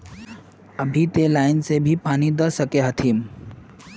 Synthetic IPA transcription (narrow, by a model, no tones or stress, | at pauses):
əbʱit̪elaːɪnsebʱipaːnid̪əsəkeɦət̪ʰiːm